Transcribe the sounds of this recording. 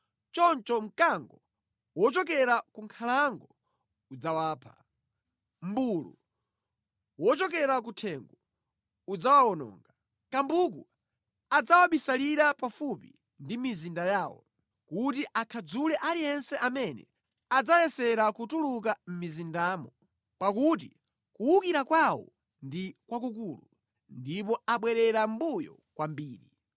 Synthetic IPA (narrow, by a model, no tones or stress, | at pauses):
t͡ʃɔnt͡ʃɔm̩kaŋɡɔ | wɔt͡ʃɔkɛɾakuŋkʰalaŋɡɔ | ud͡zawaːpʰḁ | m̩bulṵ | wɔt͡ʃɔk̬ɛɾak̬utʰɛŋɡɔ | ud͡zawawɔnɔ̰ːŋɡa | kambuk̬ṵ | ad͡zawaɓisaliɾapafupḭ | ndimizindajaːwɔ̰ | kutiʔakʰad͡zulɛʔalijɛnsɛʔamɛnɛ̰ | ad͡zajɛsɛɾakutuluk̬am̩mizindaːmɔ | pakut̬i | kuwukiɾakwawɔ̰ | ndikwak̬ukuːlu | ndip̬ɔaɓwɛɾɛɾam̩bujɔ̰ | kwambiːɾi